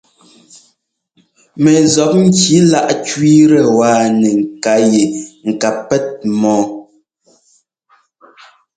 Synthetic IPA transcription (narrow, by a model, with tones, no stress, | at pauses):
mɛ˨zɔ˨˦p̚ŋ̩˦ki˨˦la˦ʔt͡ʃɥi˦ɾɛ˨waː˦˨nɛ˨ŋ̩˨ka˨˦je˨ŋ̩˨ka˨pɛ˦t̚mɔː˨˦